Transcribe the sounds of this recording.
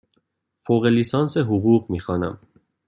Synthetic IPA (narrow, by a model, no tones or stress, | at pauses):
foːɣeliːsɒːnseɦuɣuːɣmiːxɒːnæm